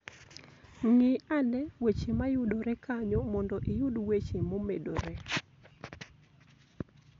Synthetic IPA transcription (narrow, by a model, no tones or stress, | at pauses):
ŋɪanɛwet͡ʃemajʊdoɾɛkaɲomɔndɔʔijʊdwet͡ʃemomedo̰ɾɛ